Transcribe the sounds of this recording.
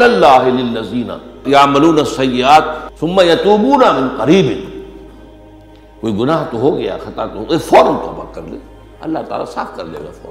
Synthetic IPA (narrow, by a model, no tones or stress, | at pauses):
lɐlːaːɦɪlɪlːɐziːna̰jaʕmɐluːnasːɐjːɪaːt̪̚sʊmːɐjɐt̪uːbuːnamɪ̃nqɐɾiːbɪn | koːiɡʊnaːɦt̪oɦoːɡɐja̰xɐt̪at̪oefɔːɾəmt̪o̰ːba̰kːɐ̰ɾlḛː | ɐ̰lːaɦt̪a̰ːla̰sa̰ːfkɐɾlḛːɡa̰fɔ̰ːɾm